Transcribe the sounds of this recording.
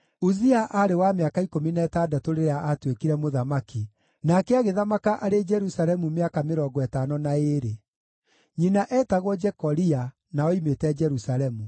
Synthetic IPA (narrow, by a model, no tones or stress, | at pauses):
uziaʔaɾewameakaikominɛtadatoɾeɾeaʔatwekiɾɛmoðamaki | nakɛaɣeðamakaʔaɾed͡ʒɛɾusaɾɛmumeakameɾɔːɡɔɛtanɔnaeɾe | ɲinaʔɛːtaɣwɔd͡ʒɛkɔɾia | naɔimetɛd͡ʒɛɾusaɾɛmu